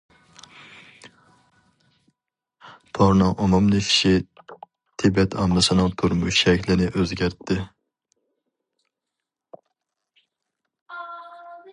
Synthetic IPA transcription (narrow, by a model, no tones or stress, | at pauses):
p̪ʰɑɾnɨŋʔumumlˠɨkʲʰi̥ʃi | t̪ʰɪbɛt̪ʰɑmːɨsɨnɨŋt̪ʰuɾmuʃʃɛkʲʰlɪnɪʔøzɡʲæɾt̪ʰːɪ